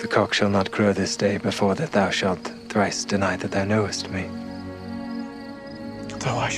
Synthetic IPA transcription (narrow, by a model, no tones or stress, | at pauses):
ðɨkʰɑkʃəlˠnət̚ɡ̥ʰɹ̥oʊðɪsd̥eɪbɨfɔɹðɨt̪̚ðaʊʃælˠt̪θɹaɪsd̥ɨnaɪðɨt̪̚ðaʊnoʊɨst̚mi | oa